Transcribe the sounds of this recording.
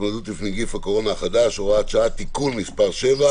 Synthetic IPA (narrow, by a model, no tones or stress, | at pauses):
madut̪lifniɡifhako̞ʁo̞naχad̪aʃoʁaʃaat̪ikulmispaʁʃe̞va